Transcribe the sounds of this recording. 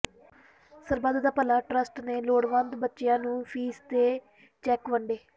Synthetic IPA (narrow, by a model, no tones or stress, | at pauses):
sɐɾbaːd̪ʱɐt̪ɐpɐlɐʈɾɐsʈneloːɽʋaːnd̪bɐt͡ʃːjaːnupʰiːst̪eː | t͡ʃekːʋɐɳɖi